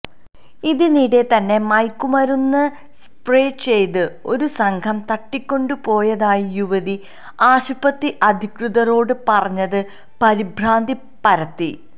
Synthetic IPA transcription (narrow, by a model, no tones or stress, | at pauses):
iðiniɽe̞t̪ɐnːe̞mɐjkːumɐɾunːɐ | s | preːt͡ɕe̞jt̪ɨo̞ɾusɐŋɡʰʱɐmt̪ɐʈːikʲːo̞ɳɖɨpo̞ːjɐðaːjijuʋɐði | aːɕupɐt̪ːiʔɐd̪ʱikruðɐɾo̞ːɽɨpɐrɐɲːɐðɨ | pɐɾibʱɾaːnd̪ʱi | pɐɾɐt̪ːi